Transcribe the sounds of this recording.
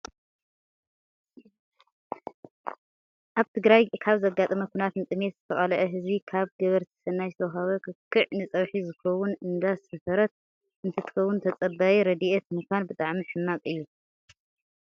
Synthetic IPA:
ʔaβt̪ʰɨɡɾajkʰaβzɐɡat̪ʼɐmɐkʷʰinat̪nɨt̪ʼɨme̞t̪zɨt̪ʰɐχʼalɐʕɐɦɨzbikʰaβɡɐβɐɾt̪ʰi̥sɐnːajt̪ʰɐwɦaβɐkʰɨkʰːɨʕnɨt͡sʼɐβħizɨkɐwʊnɨnd̪asɐfɐɾɐt̪̚ | ʔɨnt̪ʰɐt̪ʰɨ̥xɐwːʊnt̪ʰɐt͡sʼɐbːajiɾɐd̪iʔet̪mɨkʰʷanbɨt̪ʼaʕmiħɨmːakʼɨjːu

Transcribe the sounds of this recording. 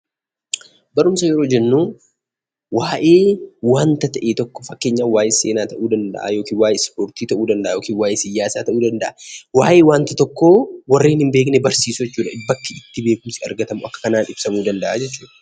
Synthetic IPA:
bɐɾʊmsɐjɛɾo̞ːd͡ʒɛnːuː | waːʔeːwaːnt̪ɐt̪ɐʔeːt̪ɔkːɔ̥fɐkːeːɲːaːnwaːjeseːnaːt̪ɐʔuːd̪ɐnd̪ɐ̰ʔa̰ːjo̞ːkiːnwaːjeːspoːɾt̪iːt̪ɐʔuːd̪ɐnd̪ɐʔaːjo̞ːkiːnwaːjʔeːsɪjaːsaːt̪ɐʔuːd̪ɐnd̪ɐʔawaːʔe̞ːwaːnt̪ɐt̪ɔkːoːwɐrːiːnhɪmbeːknɛbɐɾsiːsʊd͡ʒɛt͡ʃːuːᶑɐɪbːɐkːɪɪt̪ːɪbe̞ːkʊmsɪɐ̰ɾɡɐt̪ɐmʊʔɐkːɐ̥kɐnaːnɪbsɐmuːd̪ɐnd̪ɐʔaːd͡ʒɛt͡ʃːuːᶑɐ̥

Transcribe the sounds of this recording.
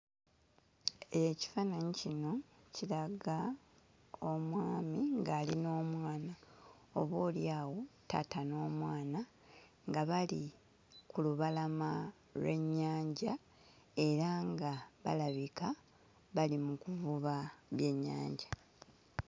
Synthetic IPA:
e̞ci̥fanaɲicino̞ciɾaɡa | o̞mwaːmiŋɡaːlino̞ːmwaːna | o̞βoːljaːwo̞ta̰tano̞ːmwaːna | ŋɡaβali | kuluβalama | lwe̞ɲːaːɲɟa | e̞ɾaŋɡaβa̰laβika | βalimukuvuβaβje̞ɲːa̰ːɲɟa

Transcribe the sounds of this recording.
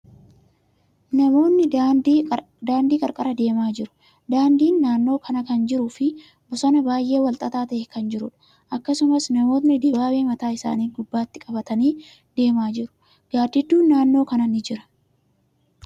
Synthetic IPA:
nɐmo̞ːnːɪ | d̪aːnd̪iːkʼɐɾkʼɐɾɐd̪e̞ːmaːd͡ʒɪɾʊ̥ | d̪aːnd̪iːnːaːnːo̞ːkʰɐnɐkɐnd͡ʒɪɾuːfɪ | bɔsɐnɐbaːjʔe̞ːwɐlt̪ʼɐt̪aːt̪ɐʔɛkɐnd͡ʒɪɾʊᶑɐ̥ | ʔɐkːɐsʊmɐsnɐmo̞ːt̪nɪd̪ɪbaːweːmɐt̪aːɪsa̰ːniːɡʊbːaːt̪ːɪkʼɐbɐt̪ɐniː | d̪e̞ːmaːd͡ʒɪɾʊ̥ | ɡ̥aːd̪ɪd̪ːuːnːaːnːo̞ːkɐnɐnːɪd͡ʒɪɾɐ̥

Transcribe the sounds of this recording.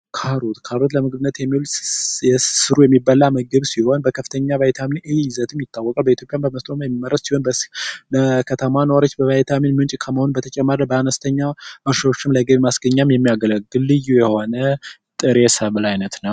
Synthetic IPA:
kʰaɾot̪kʰaɾot̪ləmɨɡbɨnːət̪jɛmːilɛsɨɾujɛmːibːalaməɡəβsiho̞nbəkʰəfɨt̪ʰəɲːavajt̪ʰaminʔeɪzət̪ʰɨmjɪt̪ʰʼːawːɔkʼalbəit̪ʰjo̞pʼjambəməst̪ʼomajɛmːiməɾəssiho̞nbləkʰət̪ʰəmanəwaɾot͡ʃːbəvajt̪ʰaminmɨnt͡ʃʼkʰəməhonbət̪ʰət͡ʃʼɛmːaɾəbəanəst̪ʰəɲːaʔəɾʃawot͡ʃːɪmləɡəβmasɡəɲːamjɛmːijaɡələɡːɨlːɨjujɛho̞nə | t̪ʼɨɾesəβɨlajnət̪nəw

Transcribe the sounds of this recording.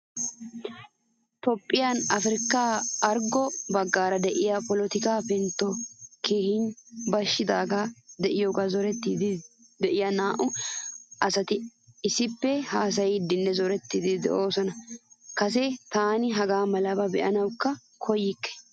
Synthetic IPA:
t̪ɔpʼːɪjanɐfɾɪkːaːɐɾɡɔbɐɡːaːɾɐd̪ɛʔɪjapɔlɔt̪ɪkaːpɛnt̪ːɔkʰeːhɪnbɐʃːɪd̪aːɡad̪ɛʔɪjoːɡazɔɾɛt̪ːiːd̪ɪ | d̪ɛʔɪjanaːʔʊ | ʔɐsɐt̪ɪɪsɪpːɛhaːs̬ɐjɪd̪ɪnːɛzɔɾɛt̪ːid̪ɪd̪ɛ̰ʔo̞ːsɔnɐkɐs̬ɛt̪aːnɪɦɐɡaːmɐlɐbɐbɛ̰ʔɐnɐwkːɐ | kʰɔjɪkːɛ̥

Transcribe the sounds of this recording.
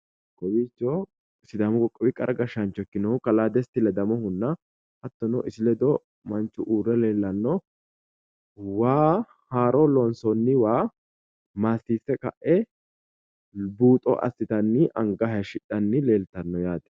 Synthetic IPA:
kɔwit͡ʃːɔ | sɪd̪ɐmɔɡɔkʼːɐbɪkʼːɐɾɐɡɐʃɐnt͡ʃːɔkːɪnɔʊkɐlaːd̪ɛst̪ːɪlɛd̪ɐmɔhʊnːɐ | ʔɐt̪ːɔnɔʔɪsɪlɛd̪ɔ | mɐnt͡ʃːʊʔuːɾɛle̞ːlːɐnːɔ | waː | haːɾɔlɔnsɔnːɪwaː | maːsːiːsːɛkʼɐ̰ʔɛ | buːt̪ʼɔ̰ʔɐ̰sːɪt̪ɐnːɪʔɐŋɡɐɦɐʃɪᶑɐnːɪleːlt̪ɐnːɔjaːd̪ɛ̥

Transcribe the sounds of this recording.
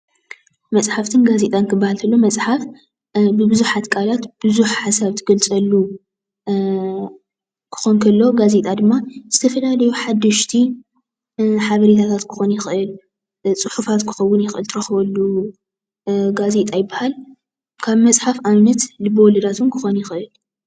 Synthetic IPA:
mɐt͡sʼħaft̪ʰɨnɡazet̪ʼankʰɨbːahalt̪ʰɐlːo̞mɐt͡sʼħaf | bɨbɨzuħat̪kʼʰalat̪b̥ɨzuħħasaβt̪ʰɨɡɐlt͡sʼɐlːu | kʰɨ̥xonkʰɐlːo̞ɡazet̪ʼad̪ɨmːaz̥ɨt̪ʰɐfɐlalɐjuħad̪ːɨʃt̪ʰi | ħaβɐɾet̪ʰat̪ʰat̪kʰɨ̥xo̞njɪxʔɨl | t͡sʼɨħufat̪kʰɨ̥xɐwːʊnjɪxɨlt̪ʰɨɾɐxβɐlːu | ɡazet̪ʼajɪbːahal | kʰaβmɐt͡sʼħafʔamnɐt̪lɨboɔlɐd̪at̪ʰunkʰɨ̥xo̞njɪxʔɨl

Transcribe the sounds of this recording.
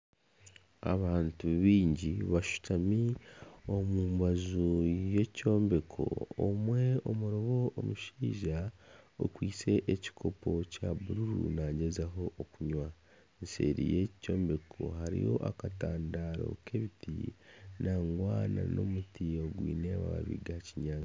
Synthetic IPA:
a̰βaːntuβiːɲɟiβaʃu̥tamiomuːmbazuje̞co̞ːmbe̞kʰo̞̰ːmwe̞omuɾoβo̞ːmuʃiːʒao̰kwiːt͡se̞ʔeci̥kʰo̞pʰo̞caβuɾuɾṵnaɟezaɦo̞ʔːkuɲwa | nse̞̰ɾḭje̞co̞ːmbe̞kʰo̞̰ɦaɾḭjo̞̰ʔakataːndaɾo̞̰kʰe̞βitinaːŋɡwaːna̰no̞̰mutioɡwḭːneaβa̰βa̰βḭɡaciɲaːŋa

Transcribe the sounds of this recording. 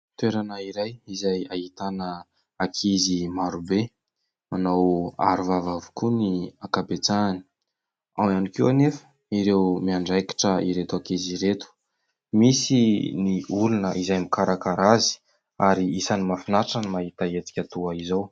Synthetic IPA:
t̪weɾanəiɾajizajahit̪anə | akʰizimaɾube | anawa̰ɾuvavavukuniakabet͡sani̥ | awanikewanefə̥ | iɾewmiaɳɖ͡ʐajkḁʈ͡ʂəiɾet̪uakiziɾet̪u̥ | misiniulunəʔizajmikaɾakaɾazi̥ | aɾiisanimafinaʈ͡ʂanmaɦit̪aet͡si̥kʲat̪uaizaw

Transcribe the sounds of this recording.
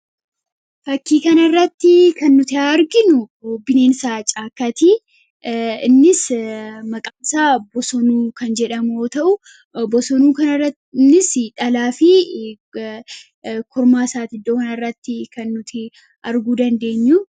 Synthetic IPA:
fɐkːiːkɐnɐrːɐt̪ːɪkɐnːʊt̪ɪaɾɡɪnʊɡobɪne̞ːnsaːt͡ʃʼaːkːɐt̪i | ɪnːɪsmɐkʼaːnsaːbɔsɔnuːkɐnd͡ʒɛᶑɐmoːt̪ɐʔʊ | bɔsɔnuːkɐnɐɐ | nːɪsᶑɐlaːfɪ | kʰɔɾmaːsaːt̪ɪd̪oːkɐnɐrːɐt̪ːɪkɐnːʊt̪ʰɪ | ɐɾɡuːd̪ɐnd̪e̞ːɲːuː

